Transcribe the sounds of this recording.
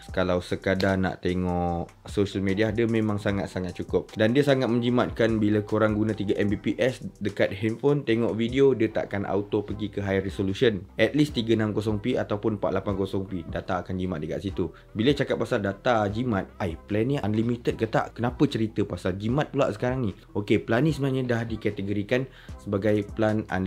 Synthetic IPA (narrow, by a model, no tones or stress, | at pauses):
kalawsəkadana̰ʔt̪eŋɔʔʔ | soʃəlmẽdiadəmẽmãŋsaŋat̪̚saŋat̪̚t͡ʃukʊp̚dandiəsaŋat̪̚mə̃ɲd͡ʒimat̪̚kanbilakoɾaŋɡunãt̪iɡaʔɛmbipiʔɛsdəkat̪̚hɛnfont̪eŋɔʔvidiodiət̪a̰ʔkanʔa̰ut̪opəɡikəɦajresolusənʔɛt̪̚list̪iɡənamkos̬ɔŋpiat̪awpʊnmpaʔ̪lapankosɔŋpidat̪aːkand͡ʒimat̪̚dəka̰ʔsit̪u | bilət͡ʃakat̪̚pasaldat̪ad͡ʒimãt̪̚ajplɛnianlimit̪ət̪̚kət̪a̰ʔkənapət͡ʃəɾit̪əpasald͡ʒimãt̪̚pula̰ʔsə̥kaɾaŋni | okepəlanĩsəbənaɲãdahdikɛt̪əɡoɾikan | səbaɡajplana̰n